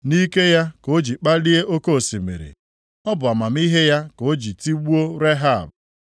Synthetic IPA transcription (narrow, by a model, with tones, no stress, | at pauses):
ni˦ke˦ja˦ko˨˦d͡ʒi˨k͡pa˦li˦e˦ʔo˦ko˦˨si˨mḛ˨ɾḭ˨ | ɔ˦bʊ˨a˨ma˨m˦i˦ɦe˦ja˦ko˨˦d͡ʒi˨ti˦ɡ͡bu˦o˦ɾe˦ɦa˦˨b